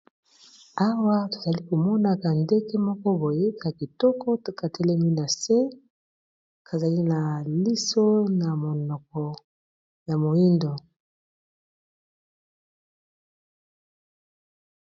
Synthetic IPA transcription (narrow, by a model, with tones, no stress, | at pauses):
a˦wa˦to̥˨za˨li˦ko˨mɔ˦na˨ka˨nde˦ke˦mɔ˦kɔ˦bo˨je˦ka˨ki˨tɔ˦kɔ˦to˨ka˨tʰe˦lɛ˦mi˦na˨se˦ | kʰa˨za˨li˦na˨li˦so˦na˨mo˨nɔ˨k̚ɔ˨ | ja˨mo˨i˦ndo˨